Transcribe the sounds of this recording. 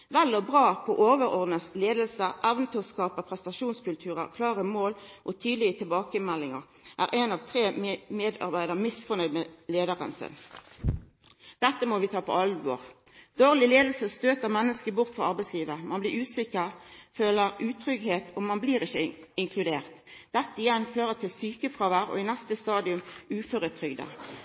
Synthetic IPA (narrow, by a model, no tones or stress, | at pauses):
ʋɛlːɔbʁɑːpʰɔʔoːʋəʁɔʁd̪nəsleːd̪lsəʔɛʋənt̪ʰyːskɑːpəpʰʁɛst̪ɑʃuːnskʉlt̪ʰʉːʁə̰kʰlɑːʁəmoːlʔɔt̪ʰyːd̪lɪɡət̪ʰɪlbɑːkəmɛlːɪŋəʁ | ʔæ̰ːʁʔeːnɑʋt̪ʰʁeːmeːd̪ɑ̰ʁbæɪd̪əʁmɪsfɔnœʏd̪meleːd̪əʁə̰nsɪ̰n | d̪̥ɛt̪ːəmoʋɪt̪ʰɑːpʰɔ̰ɑlʋɔ̰ːʁ | d̪oːʁlɪleːd̪l̩səst̪øːt̪əʁmɛnːəskəbʊʁt̪fʁɑɑʁbæɪsliːʋəmɑnblɪʁʉːsɪkəʁføːləʁʉːt̪ʰʁʏɡheːt̪ʰɔmɑnbliːʁɪçəɪŋkʰlʉd̪eːʁt̪d̪̥ɛt̪ːəɪjɛnføːʁət̪ʰɪlsyːkəfʁɑːʋæːʁɔ̰ɪnæst̪əst̪ɑːd̪ɪʉmʉːfœʁət̪ʰʁʏɡd̪ə̰